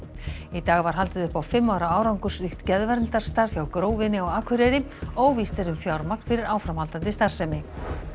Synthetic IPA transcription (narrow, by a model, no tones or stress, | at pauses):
it̪aːɣvaɾ̥ɦalt̪ɪðʏhpawfɪmːaːwɾaaːwɾawŋkʏ̥sɾixt̪cɛðvɛɾlt̪ar̥st̪aɾ̥fjawkɾoːwvɪnɪɔɣaːkʰvʏɾɛɾɪ | owvist̪ɛɾʏmfjawɾmak̚n̥fɪɾɪɾaːwfɾamhalt̪ant̪ɪst̪ar̥sɛmɪ